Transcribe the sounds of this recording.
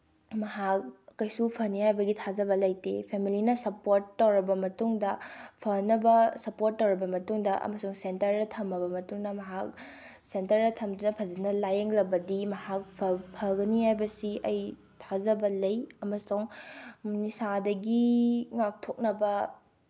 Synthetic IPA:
mɐɦak̚ːɐjsupʰɐnihajbɐɡitʰazɐbɐlɐjtḛpʰemilinɐsɐpoɾtːɐwɾɐbɐmɐtuŋdɐpʰɐnɐbɐsɐpoɾtːɐwɾɐbɐmɐtuŋdɐʔɐ̰mɐsuŋsentɐɾdɐtʰɐmːɐbɐmɐtuŋnɐmɐɦak̚ | sentɐɾɐtʰɐmdunɐpʰɐzɐnɐlajɐŋlɐbɐdimɐhak̚pʰɐpʰɐɡɐniɦajbɐsiʔɐj | tʰazɐbɐlɐjɐmɐsuŋ | nisadɐɡiŋak̚tʰok̚nɐbɐ

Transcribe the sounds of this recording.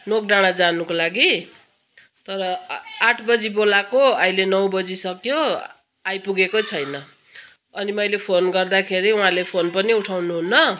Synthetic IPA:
nok̚ɖaɽ̃ad͡zanukolaɡi | t̪ʌɾʌaʈʰbʌd͡zibolakoʌjlenʌw̃bʌd͡zisʌkjo | ajpuɡekot͡sʰʌjnʌ | ʌnimʌjlepʰonɡʌrd̪akʰeɾiũɦãlepʰonpʌniuʈʰawnuɦunːʌ

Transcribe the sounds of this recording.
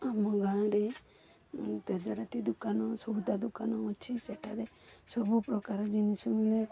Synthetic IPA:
amɔɡʱãɾe | t̪ed͡ʒɔɾat̪id̪ukanɔsɔd̪ad̪ukanɔɔt͡ʃʰisɛʈʰaɾe | sɔbupɾɔkaɾɔd͡ʒinisumle

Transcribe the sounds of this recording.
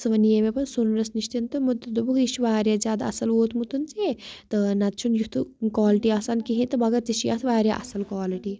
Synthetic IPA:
sɨʋɐnijɐmepɐnsunɾɐsniʃt̪int̪ɨmud̪ɐd̪ubukiʃʋaːɾjazʲaːd̪aɐ̰sɐloːt̪ʰmut̪unt͡ʃet̪ɨnɐt̪̚t͡ʃʰunjut̪ʰɨkaːliʈiasankiɦĩt̪ɨbɐɡɐt̪t͡ʃiʃijɐ̰t̪ʰʋaːɾʲja̰ʔɐ̰sɐlkaːliʈi

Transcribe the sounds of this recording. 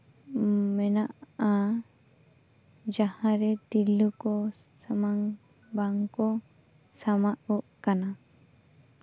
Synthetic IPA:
mɛnaʔa | d͡ʒahãɾɛd̪ilukɔ | samaŋ | baŋkɔ | samaʔɔʔkana

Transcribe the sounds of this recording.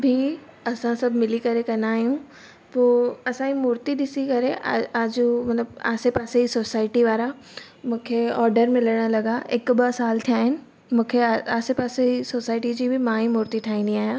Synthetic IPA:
bʱi | ɐsãsɐbmɪlikɐɾẽkɐɾnaːjũː | toːɐsãimuːɾt̪id̪ɪsikɐɾẽʔaaːd͡ʒumɐt̪ləba̰ːsepaːseisoːsaːɪʈiʋaːɾa | mʊkʰeɔːɾɖəɾmɪ̃leːnalɐɡaeːkːɐbasaːlt̪ʰaːn | mʊkʰeaaːsepaːseisoːsaːɪʈid͡ʒibʱimãːɦimuːɾt̪iʈʰaːinĩaːja

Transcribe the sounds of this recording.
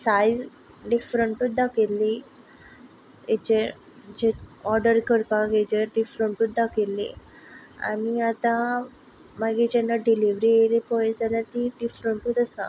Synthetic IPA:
sajd͡z | ɖifɾəɳʈuːt̪̚d̪akelːi | et͡ɕe | d͡ʑeɔɾɖəɾkəɾpaked͡ʑeɖifɾəɳʈuːt̪̚d̪akelːḭ | a̰niat̪ã | maɡid͡ʑɛnːaɖiliʋɾielipɔjed͡zaljaɾt̪iɖifɾəɳʈuːt̪əsa̰

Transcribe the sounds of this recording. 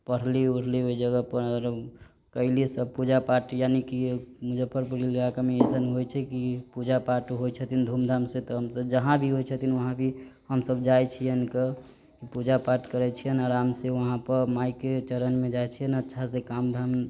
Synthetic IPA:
pəɽ̤liuɽ̤liɦoid͡ʒəɡəpəəɾ | kəɪlisəb̚pud͡ʒapaʈjanikimud͡ʒəpʰəɾpuɾiləɡakameesənɦojt͡ʃʰɛkipud͡ʒapaʈɦojt͡ʃʰət̪ʰind̪ʱumd̪ʱamset̪ɔɦəmsəb̚d͡ʒəɦãbʱiɦojt͡ʃʰət̪inʋəɦãbʱihəmsəbd͡ʒajt͡ʃʰijənke | kipud͡ʒapaʈkəɾɛt͡ʃʰijənaɾamseʋəɦãpəɾmaiket͡ʃəɾənmẽd͡ʒajt͡ʃʰijənətːʃʰasekamd̪ʱam

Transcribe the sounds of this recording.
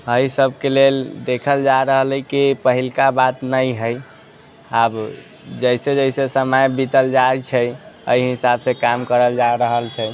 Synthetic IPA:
əjsəbʱkeleld̪ekʰəld͡ʒaɾəɦələjkipəɦilkabat̪nəjɦəj | ab | d͡ʒəjsed͡ʒəɪsesəmajbit̪əld͡ʒat͡ʃʰɛə̰iɦisabsekamkəɾəld͡ʒaɾəɦəlt͡ʃʰɛ

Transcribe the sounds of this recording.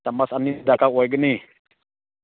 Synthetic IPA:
tamasanːidakawaɡəni

